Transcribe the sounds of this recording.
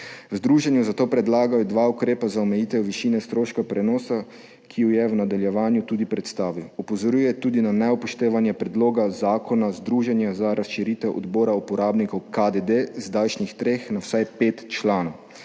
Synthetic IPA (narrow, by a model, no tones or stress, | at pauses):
wzd̪ɾuːʒɛnjuzat̪oːpɾɛd̪laːɡajɔd̪ʋaukɾeːpazaɔmɛjiːt̪ɛwʋiʃinɛst̪ɾoːʃkapɾɛnɔːsa | kʰijujɛwnad̪aljɛʋaːnjut̪uːd̪ipɾɛt̪st̪aːʋiwɔpɔzɔɾjuːjɛt̪uːd̪inanɛɔpɔʃt̪eːʋanjɛpɾɛd̪loːɡazaːkʰɔnazd̪ɾuːʒɛnjazaɾasʃiɾit̪ɛwʔɔ̰d̪boːɾaupɔɾaːbnikɔwkad̪ed̪ezd̪alʃnixt̪ɾeːxnawsajpeːt̪t͡ʃlaːnɔw